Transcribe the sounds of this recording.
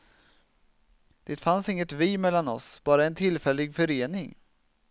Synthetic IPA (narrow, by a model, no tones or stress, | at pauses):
d̪̥eːt̪fansɪŋːət̪viːmɛlːanɔsb̥ɑːɾaɛnt̪ʰɪlːfɛlːɪɡfœɾeːnɪŋ